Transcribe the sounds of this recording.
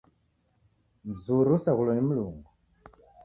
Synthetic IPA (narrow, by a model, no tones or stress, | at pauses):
m̩zuɾusaɣulɔnimuluːŋɡu